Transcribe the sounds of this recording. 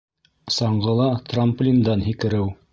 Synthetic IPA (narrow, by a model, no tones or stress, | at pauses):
sɑɴɢɤ̆lˠɑt̪ramplʲind̪ɑnɦikɘ̆ɾɘw